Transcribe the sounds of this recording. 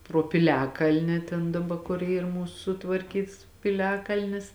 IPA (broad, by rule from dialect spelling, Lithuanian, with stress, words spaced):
proː pʲɪˈlʲæːkɐlʲnʲɪ tʲɛn dɐˈbɐ kʊr ˈiːr ˈmuːsʊ sʊtʋɐrʲˈkʲiːts pʲɪˈlʲæːkɐlʲnʲɪs